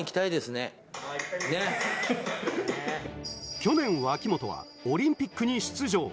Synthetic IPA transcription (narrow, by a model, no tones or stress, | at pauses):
ikʲi̥t̪aid̪e̞sɨne̞ | ne | kʲo̞nẽ̞ɰ̃βaːkʲimo̞t̪o̞βa̰ | oɾʲĩmpʲikːɯɲ̟iɕi̥t͡sɨʑo̞̰ː